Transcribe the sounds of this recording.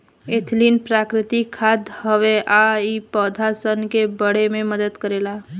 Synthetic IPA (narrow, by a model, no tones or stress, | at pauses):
et̪ʰlinpɾaːkɾɪt̪ikʰaːd̪həʋeʔaipɔːd̪ʱasənkebəɽemẽməd̪əd̪kəɾeːla